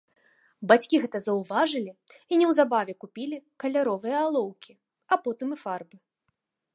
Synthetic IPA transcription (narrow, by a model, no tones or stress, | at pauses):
bat͡sʲkʲiɣɛt̪ɐzɐwvaʐɨlʲiinʲɛwzabavʲɛkupʲilʲikɐlʲaɾɔvɨjɐalˠɔwkʲʰi | apɔt̪ɨmɨfarbɨ